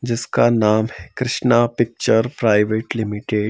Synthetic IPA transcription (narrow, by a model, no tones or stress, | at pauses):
d͡ʒɪskanaːmɦɛkɾɪʃnapɪk̚t͡ʃəɾpɾaːɪʋeːʈlɪmiʈeɖ